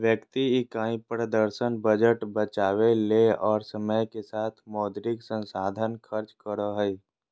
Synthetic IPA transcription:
ʋjəkt̪iikãːĩpɾəd̪əɾsənbəd͡ʒəʈbət͡ʃaːweleɔːɾsəməjkesaːt̪ʰmɔːd̪ɾɪksə̃nsaːd̪ʱənkʰəɾt͡ʃkəɾoɦɛi

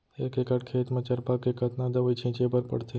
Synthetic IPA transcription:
ekekaʈkʰet̪mɐt͡ɕaɾpakekat̪nad̪əʋəjt͡ɕʰĩt͡ɕebəɾpə̰ɽt̪ʰe

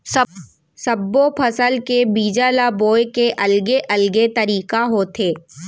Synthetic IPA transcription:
sɐbːopʰɐsəlkebiːd͡ʒalaboːjkeʔɐlɡeʔɐlɡet̪ɐɾiːkaɦoːt̪ʰeː

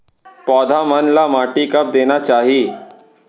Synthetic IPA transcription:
pɔːd̪ʱamɐnlamaːʈikɐp̚d̪eːnat͡ʃaːɦieː

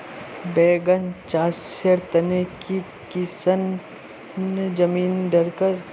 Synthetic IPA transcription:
beːɡənt͡ʃaːseɾt̪ɐneki | kɪsən | d͡ʒɐmiːnɖɐɾkəɾ

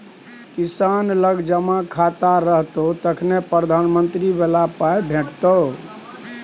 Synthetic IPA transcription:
kisanləɡd͡ʒəmakʰat̪aɾəɦt̪ot̪əkʰnepɾəd̪ʱanmənt̪ɾibelapajbʱeʈt̪o

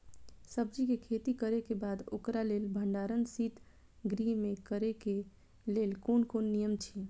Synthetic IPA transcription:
səbd͡ʒikekʰet̪ikəɾekebad̪o̰kɾalelbʱəɳɖaɾənsit̪ | ɡɾimẽkəɾeke | lelkonkonːijəmt͡ʃʰi

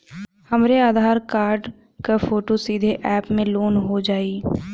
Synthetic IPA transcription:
həmɾeaːd̪ʱaːɾkaːɾɖ | kafoːʈosid̪ʱeʔɛːpmẽloːnɦod͡ʒaːi

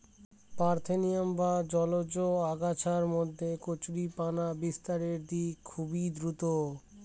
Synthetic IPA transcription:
paɾt̪ʰenijambad͡ʑɔlod͡ʑoaɡat͡ɕʰaɾmod̪ʱːekot͡ɕɾipanabist̪aɾeɾd̪ikʰubid̪ɾut̪o

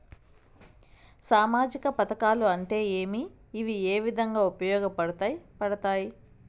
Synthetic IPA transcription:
saːmaːd͡ʒikɐpɐt̪ɐkaːluɐɳʈe̞ːeːmiː | ʋieːʋid̪ʱɐŋɡaːupɐjɔːɡɐpɐɽɐt̪aːjpɐɽɐt̪aːji

